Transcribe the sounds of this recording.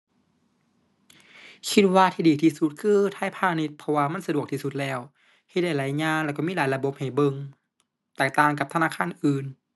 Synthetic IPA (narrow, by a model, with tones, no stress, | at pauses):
kʰi˧t̪̚waː˧t̪ʰiː˧diː˨˩t̪ʰiː˧˩su˧t̪̚kʰɯː˧t̪ʰaː˧˥˨jpʰaː˧˩ne˧t̪̚pʰɔ˧waː˧ma˧˥˨sa˧du˨˩ək̚t̪ʰiː˧˨su˧t̪̚lɛː˧˩w | he˧˩da˧˩jla˨˧˦jɲaː˧˥˨nlɛ˧˩kɔ˧˨miː˧˥˨laː˨˦jla˧bo˧˦p̚ha˨˩jbɤ˧ŋ | t̪ɛː˨˩k̚t̪aː˧˩ŋk̬a˧p̚t̪ʰa˧naː˧˥˨kʰaː˧˥˨nʔɯː˨˩n